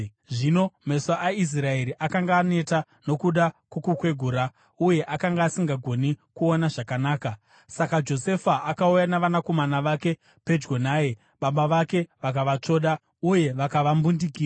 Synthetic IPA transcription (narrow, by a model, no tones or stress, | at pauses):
ʐino̞me̞saʔais̬raeɾiʔakaŋɡaːne̞ta | no̞kuɗakukukwe̞ɡʱuːɾa | uje̞ʔakaŋɡaːsiŋɡaɡʱo̞nikuonaʐakanaːka | sakad͡ʒo̞se̞faakaujanaʋanako̞manaʋake̞ | pe̞d͡ʒɡonaːje | ɓaɓaʋake̞ʋak̬aʋat͡ʂo̞ːɗa | uje̞ʋakaʋambundik̬iːa